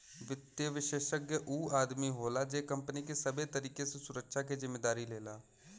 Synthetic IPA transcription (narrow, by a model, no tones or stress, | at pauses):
ʋɪt̪jəʋɪʃeːʃəkjəʔuːaːd̪miɦoːlad͡ʒeːkə̃mpənikesəbet̪əɾiːkesesʊɾəkʃʰakezɪmːeːd̪aːɾileːlaː